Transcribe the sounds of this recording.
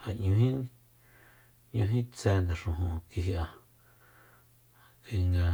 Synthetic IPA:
ha˨ɲũ˧ɦĩ˦ | ɲũ˧ɦĩ˦t͡sɛ˧˦nd̪a˨ʂũ˨ɦũ˨ki˧hi˧ʔa˧ | ki˧ŋɡa˧

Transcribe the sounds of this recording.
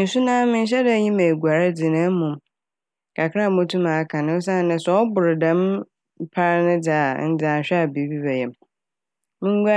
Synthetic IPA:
n̩˨sʊ˦nãː˦mɪ̃˦n̩˦ɕ̬ɛ˦dɛ˨˦ɲĩ˦mæ˨ɡu˨a˨ɾa˦d͡zɪ˨nã˦mʊ̃˨m | kʰa˨kʰa˦˨mɔ̃˦tʰũ˦mã˨˦kʰã˨nʊ̃˦s̬ã˦˨nɪ̃˨sɔ˨˦ɔ˦bʊ˨ɾɪ˨dã˦m˦ | pʰa˦ɾnɪ̃˦d͡zaː˨˦˨n̩˦d͡za˨ɕᶣɛ˦a˨bi˨˦bi˦bɛ˨jɛ˨m | mɪ̃˦ŋ˦ɡʷa˦

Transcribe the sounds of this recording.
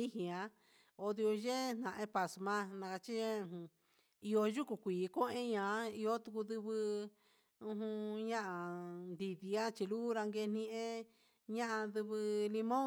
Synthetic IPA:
i˦hĩ˨ã˧ | o˧ði˧o˧ʒe˦˧n̥ã˨ʔẽ˦pa˨smã˧˦nã˧ka˧t͡ʃĩ˦˧˨ | i˧o˧ʒu˦ku˧kʷiː˨˦˧kõ˦ʔẽ˦ɲã˨˧˦i˧o˦t̪u˧ku˧ðɨ˧βɨ˧ | ũ˧ɦũ˧ɲã˦ʔa˧˨nd̪i˧ði˧a˦t͡ʃi˧luː˦ɾa˧ŋɡe˧n̥ĩ˧ʔẽ˦ | ɲã˦ʔã˧ðɨ˧βɨ˧li˧mõ˦

